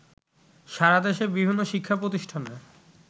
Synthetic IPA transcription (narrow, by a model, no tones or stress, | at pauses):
ʃaɾad̪eʃeɾbibʱinːoʃikʰːapɾot̪iʃʈʰane